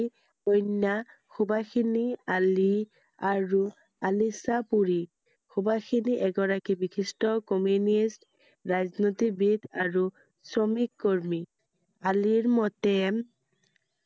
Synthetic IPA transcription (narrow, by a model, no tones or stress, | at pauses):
ojnːa | xubakʰiniali | aɹu | alisapuɹi | xubakʰiniʔɛɡɔɹakibikistɔkɔmjunist | ɹaznotibid̪aɹu | sɹɔmikːoɹmi | aliɹmɔtɛm